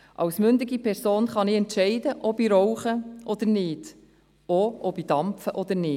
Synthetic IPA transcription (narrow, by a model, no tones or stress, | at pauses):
ʔɑ̰wsmʏndɪɡipʰɛɾsoːnχɑnɪɛntʃɛɪdəʔɔbiɾɔwχəʔɔd̪əɾnɪːd | oʔɔbid̥ɑmfəʔɔd̪əɾnɪː